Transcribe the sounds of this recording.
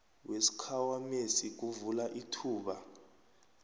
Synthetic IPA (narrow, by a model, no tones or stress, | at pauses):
wesi̥kʰawamesik̬uvulaʔitʰuːɓa